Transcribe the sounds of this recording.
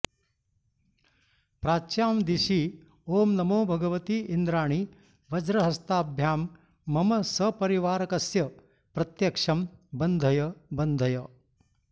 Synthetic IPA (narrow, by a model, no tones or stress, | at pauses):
pɾaːt͡ʃjaːmd̪iʃi | oːmnɐmoːbʱɐɡɐʋɐt̪iːʔind̪ɾaːɳ̃i | ʋɐd͡ʒɾɐɦɐst̪aːbʱjaːmː | ɐmɐsɐpɐɾiʋaːɾɐkɐsjɐ | pɾɐt̪jɐkʂɐmbɐnd̪ʱɐjɐbɐnd̪ʱɐjɐ